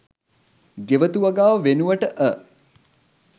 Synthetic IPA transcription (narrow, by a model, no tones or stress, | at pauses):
ɡeʋət̪uʋɐɡaːʋəʋenuʋəʈəʔə